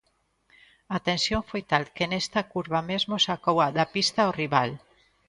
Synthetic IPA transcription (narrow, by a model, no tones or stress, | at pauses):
at̪ensjoɱfojt̪alkenest̪akuɾβamezmosakowaðapist̪aoriβal